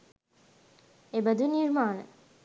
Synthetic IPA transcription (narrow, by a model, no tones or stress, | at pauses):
ebəd̪uniɾmaːnə̰